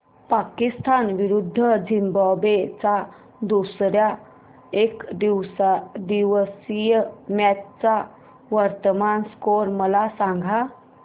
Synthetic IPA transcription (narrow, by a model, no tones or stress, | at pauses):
pakist̪ʰanʋiɾud̪ʱːəd͡ʑimbabet͡sa | d̪usɾja | ekd̪iwsad̪iʋsijmjatt͡sa | ʋəɾt̪əmanskoɾməlasaŋɡʱa